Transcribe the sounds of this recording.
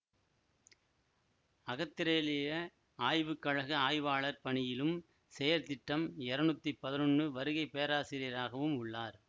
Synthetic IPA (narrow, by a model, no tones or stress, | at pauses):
ɐɣɐt̪ːɪɾeːlɪjɐ | aːjʋɯkːɐɻɐɣɐaːjʋaːɭɐɾpɐɳɪjɪlɯm | sɛjɐɾt̪ɪʈːɐmɛɾɐnʊt̪ːipɐðɪnɔnːɯʋɐɾɯɣɐɪpːejɐɾaːsɪɾɪɐɾaːɣɐʋɯmʊɭːaːɾ